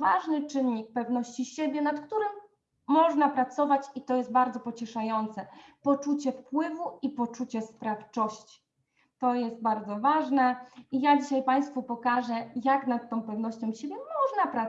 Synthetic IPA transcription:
vaʐnɘt͡ʂɘɲːik̚pɛvnɔɕt͡ɕiɕebʲjɛnat̪kt̪uɾɘmː | ɔʐnapɾat̪sɔvat͡ɕit̪ɔjɛst̪̚baɾd̪zɔpɔt͡ɕɛʂajɔnt̪sɛpɔt͡ʂut͡ɕɛfpwɘvuipɔt͡ʂut͡ɕɛspɾaft͡ʂɔɕt͡ɕi̥ | t̪ɔjɛst̪̚baɾd̪zɔvaʐnɛijad͡ʑiɕajpaj̃st̪fupɔkaʐɛjaknat̪ːɔ̃w̃pɛvnɔɕt͡ɕɔ̃w̃ɕebʲjɛmɔʐnapɾa

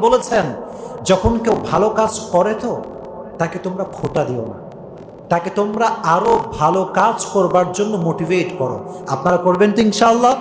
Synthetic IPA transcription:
bolet͡ɕʰend͡ʑɔkʰonkewbʱalokad͡ʑkɔɾet̪o | ʈaket̪omɾakʰoʈad̪iona̰ | ʈaket̪omɾaaɾobʱalokad͡ʑkoɾbaɾd͡ʑonːomoʈiveʈkɔɾo̰ | apnaɾakoɾbent̪iinʃaalːa

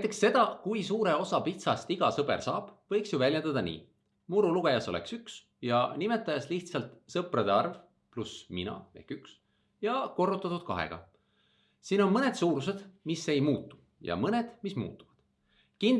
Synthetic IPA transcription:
næjt̪ːˑe̞ksse̞d̪̥ɑkujsuːɾe̞o̞sɑpit̪sɑst̪iɡ̥ɑsɤbe̞̰rsɑːb̥vɤ̞jksjuvælʲjend̪̥ɑd̪̥ɑnḭː | muɾuluɡ̥e̞jɑso̞lḛksyks | jɑnime̞t̪ːˑɑjɑsliht̪sɑlt̪sɤprɑd̪eɑrv | plusminɑ̰e̞̰hkyks | jɑko̞rːut̪ːˑɑt̪ːud̪̥̚kɑ̰ɦḛɡ̥ɑ̰ | siːno̞nmɤne̞d̪suːɾus̬e̞d̪̥misːe̞jmuːt̪ːu̥ | jɑ̰mɤne̞d̪̥mismṵːt̪ːˑu̥vɑd̪̥ | kind̪

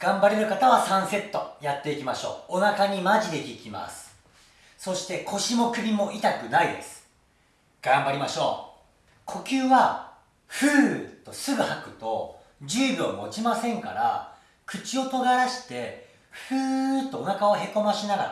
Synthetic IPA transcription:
ɡ̥ãmbaɾe̞ɾɯ̟kat̪aβasãɰ̃se̞t̪ːo̞jat̪ːe̞ikʲimaɕo̞̰ːonakaɲ̟imaʑid̪e̞kʲikʲima̰sɨ̥ | so̞ɕi̥t̪e̞kʰo̞ɕimo̞kɯ̟bʲimo̞ʔit̪akɯ̟naid̪e̞̰sɨ̥ | ɡ̥ãmbaɾʲimaɕo̞̰ː | kʰo̞kʲɨːβa | ɸɯːt̪o̞sɨɡɯ̟hakɯ̟̥t̪o̞ | d͡ʑɨːbʲio̰mo̞̰t͡ɕimasẽ̞ŋka̰ɾa̰ | kɯ̟t͡ɕio̞t̪o̞ɡaɾaɕi̥t̪e̞ | ɸɯ̟ːt̪ːo̞ːnakaβaɦe̞ko̞maɕinaɡa̰

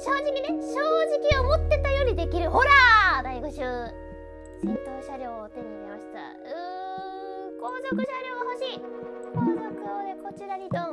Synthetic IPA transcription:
ɕo̞ːʑikʲineɕoːʑikʲiomo̞t̪ːe̞t̪ajo̞ɾ̟ʲid̪e̞kʲiɾɯ̟ho̞ɾaːd̪aiɡoɕɨː | ɕĩnt̪o̞ːɕaɾʲo̞ːt̪e̞ɲ̟imʲimaɕi̥t̪a̰ | ɯ | ko̞ːzo̞kɯ̟ɕaɾʲo̞ːɡaho̞ɕiː | nokɯod̪e̞ko̞t͡ɕiɾaɾʲid̪õ

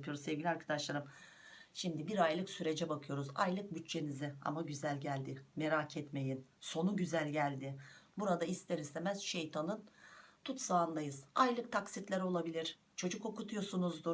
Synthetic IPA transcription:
pʰɯjo̞ɾuzse̞vɟʲilʲiaɾkʰad̪aʃlˠaɾɯm | ʃimd̪ibiɾajlˠɯksyɾe̞d͡ʒɛbakʰɯjo̞ɾuza̰jlˠɯk̚byt͡ʃt͡ʃe̞nizɪa̰maɟyzælʲɟælʲd̪ɪme̞ɾaːcʰɛt̪me̞jinso̞nuɟyzælʲɟælʲd̪ɪbuɾad̪aist̪ʰeɾizt̪emæz̥ʃe̞jt̪ʰanɯnt̪ʰut̪saːnd̪ajɯz̥ajlˠɯk̚t̪ʰaksit̪lʲæɾo̞lˠabilʲiɾ̥ | t͡ʃʰo̞d͡ʒuko̞kut̪ʰujo̞sunuzd̪u

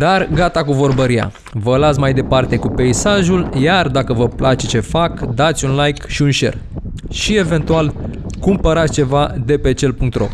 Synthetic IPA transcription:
d̪arɡat̪akuvo̞rbəɾija̰ | vəlat̪sʲmajd̪e̞part̪e̞kupe̞isaʒuljard̪akəvəplʔat͡ʃe̞t͡ʃe̞fakd̪at̪sʲunlajkʃiunʃe̞̰r | ʃie̞ve̞nt̪ualkumpəɾat̪sʲt͡ʃe̞vad̪e̞pe̞t͡ʃelpuŋk̚t̪ro̞̰

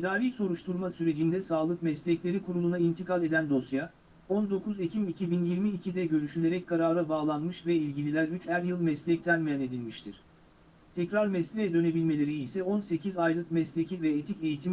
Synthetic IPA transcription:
mid̪aːɾʲiso̞ɾuʃt̪ʰuɾmasyɾe̞d͡ʒind̪ɛsaːlˠɯkmɛslʲɛclʲe̞ɾikʰuɾulˠunaint̪ʰikalʲe̞d̪ænd̪o̞sja | ond̪o̞kʰuzecʰimicʰibinjiɾmiːcʰid̪ɛɟø̞ɾyʃylʲe̞ɾɛc̚kʰaɾaːɾabaːlˠanmɯʃvɛilʲɟilʲilʲæɾyt͡ʃhæɾjɯlˠmɛslʲɛc̚t̪ʰænmijane̞d̪ilʲmiʃt̪ʰiɾ̥ | t̪ʰɛcɾaɾmɛslʲɛɛd̪ø̞ne̞bilʲme̞lʲe̞ɾiːsɛonse̞cʰizajlˠɯkmɛslʲecʰivɛet̪ʰice̞jit̪ʰim

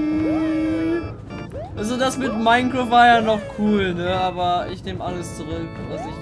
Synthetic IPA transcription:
ʔʔalzodasmɪtmaɪŋkʁovaɐjanɔχkʰuːlnəaːbɐɪ̰çneːməʔaləst͡suʁʏkvasɪç

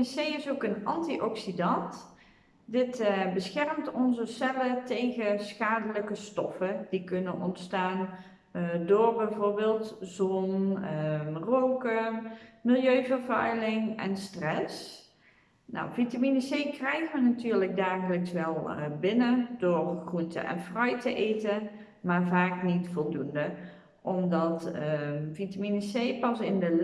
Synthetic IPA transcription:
sejɪsokənɑ̰ntiʔɔksidɑnt | dɪtbəsxɛrmtɔnzəsɛlətejɣəsxaːdələkəstɔfədikɵnənɔntstaːn | doːɹbɛjvoːɹbeːlˠtzɔn | rowkəmɪlˠjøɥvərvœ̰ɥlɪŋɛ̰nstrɛs | nɔ̰wvitaminəsejkrɛjɣʋənatyːɹləɡ̚daːɣələksʋɛlˠbɪnədoːrχruntə̰ʔɛ̰nfrœjtəʔejtə | maːɹvaːknitfɔlˠdundə | ʔɔmdɑt | vitaminəsejpɑsɪndə

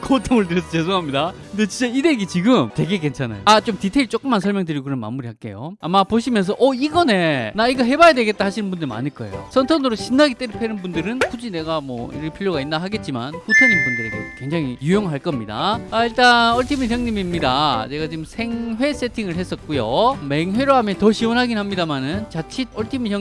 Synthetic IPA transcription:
kotʰoŋɯɭt̬ɯɾʌsʰʌt͡ɕesʰoŋɦamɲidakɯnde̞t͡ɕint͡ɕ͈aideɡit͡ɕiɡɯmtwe̞ɡe̞ke̞nt͡ɕʰana̰joat͡ɕ͈omtitʰe̞iɭt͡ɕ͈ok͈ɯmːansʰʌɭmjʌŋdɯɾiɡoɡkɯnɯnma̰nmuɾihak͈e̞̰jo̰amapoɕʰimjʌns̬ʰʌʔʌiɡʌnenaiɡaɦe̞bajadwe̞ɡe̞t̚t͈ahaɕʰinɯnbundɯɭma̰ɲiɭk͈ʌejo̰sʰʌntʰʌnɯɾoɕʰinːaɡit͈eɾɯpʰenɯnbundɯɾɯnɸud͡ʑine̞ɡamwʌ̰ḭɾɯpʰiʎjoɡainːaɦaɡe̞t̚t͡ɕ͈ima̰nɸutʰoɲinbundɯɾetokwe̞ŋd͡ʑaŋijujoŋɦaɭk͈ʌmɲida̰aiɭt͈anʌɭtʰimisʰjʌŋɲimimɲidane̞ɡat͡ɕiɡɯmsʰe̞ŋwe̞s͈e̞tʰiŋɯɭɦe̞s͈ʌt̚k͈ujome̞ŋwe̞ɾoɦamjʌntʌɕʰiwonɦaɡinhamɲidamanɯnt͡ɕat͡ɕʰid̚ʌɭtʰimisjʌ

